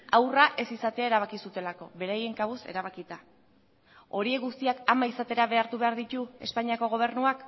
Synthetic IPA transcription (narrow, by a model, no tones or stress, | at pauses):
awraʔe̞sisat̪eae̞ɾaβ̞akisut̪e̞lako̞βe̞ɾaje̞ŋkaβuse̞̰ɾaβ̞akit̪a | o̞ɾieɡust̪iakamaisat̪e̞ɾaβe̞aɾt̪uβe̞aɾðit̪ue̞spaɲiako̞ɣ̞o̞β̞e̞ɾnuak